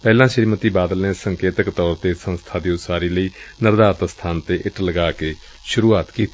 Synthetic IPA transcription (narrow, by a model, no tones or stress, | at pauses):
pɛːlãːʃəɾiːmət̪iːbaːd̪əlneːsəŋkeːt̪əkt̪ɔːɾt̪eːsə̃nst̪ʰaːd̪iːʊsaːɾiːləiːnəɾd̪aːɾt̪əst̪ʰaːnt̪eːʔɪʈləɡaːkeː | ʃʊɾuːaːt̪kiːt̪ʰː